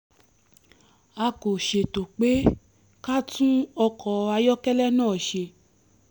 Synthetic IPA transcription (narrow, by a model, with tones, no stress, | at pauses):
a˧ko˨ʃe˨to˨k͡pe˦ | ka˦tũ˦ɔ˧kʰɔ˨˦a˧jɔ˦kɛ˦lɛ˦nãː˦˨ʃe˧